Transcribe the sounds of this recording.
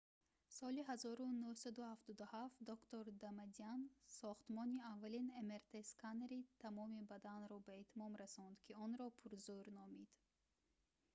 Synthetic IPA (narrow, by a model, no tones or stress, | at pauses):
sɔliɦazɔɾunuhsad̪uhaft̪ɔd̪uhaft̪d̪ɔkt̪oɾd̪amad̪iansɔχt̪mɔniavːalinemeɾt̪ʰeskaneɾit̪ʰamɔmibad̪anɾɔbaet̪ʰmɔmɾasɔnd̪kʲʰiɔnɾɔpʰuɾzuɾnɔmid̪̥